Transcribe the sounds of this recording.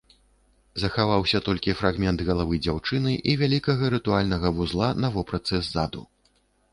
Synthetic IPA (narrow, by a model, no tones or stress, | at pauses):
zɐxavawsʲɐt̪ɔlʲkʲifɾaɣmʲɛnd̪ɣɐlˠavɨjd͡zʲawt͡ʂɨnɨʔivʲalʲikɐɣɐɾɨt̪ualʲnɐɣɐvuzlˠanɐvɔpɾat̪sɛzːad̪ṵ